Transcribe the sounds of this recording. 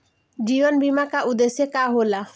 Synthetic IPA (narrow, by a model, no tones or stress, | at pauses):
d͡ʒibɔnbimakaʔud̪esekaɦola